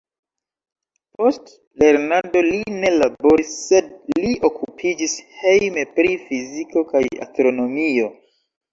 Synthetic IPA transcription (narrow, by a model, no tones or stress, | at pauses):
po̞st | le̞ɾnando̞line̞labo̞ɾisːe̞dliʔo̞kʰupʰid͡ʒishe̞jmepɾifiziko̞kaja̰stɾo̞no̞mio̞